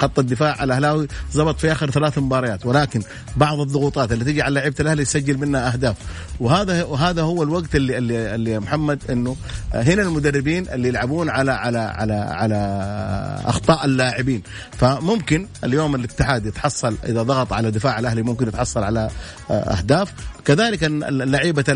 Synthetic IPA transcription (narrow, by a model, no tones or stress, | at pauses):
xɑt̪ˤːɑd̪ːɪfaːʕʕalʔahlaːwizˤɑbɑt̪ˤfiʔaːxɪɾθalaːθmʊbɑːɾˤɑjaːt̪wɪlaːkɪn | bɑʕðˤɨðˤːʊɣuːt̪ˤɑːt̪alːit̪ɪd͡ʒiʕalːaːʕɪbaalʔahlijsad͡ʒːalmɪnhaʔahd̪aːf | wɪɦaːðaɦaːðahʊwːalwaɡt̪ɪlːilːiɪlːimʊħamːad̪ʔɪnːʊ | ɦɪnalmʊd̪arːɪbiːnʔɪlːijɪlʕabuːnʕalaʕalaʕa̰laʕa̰la | ʔɑ̰xt̪ˤɑːʔalːaːʕɪbiːn | famʊmkɪnʔaljoːmalɪt̪ːɪħaːd̪jɪt̪ħɑsˤːɑlʔɪ̰ðaðˤɑɣɑt̪ˤʕalad̪ːɪfaːʕalʔahlimʊmkɪnjɪt̪ħɑsˤːɑlʕala | ʔa̰hd̪aːfkaðaːlɪkalːaʕiːba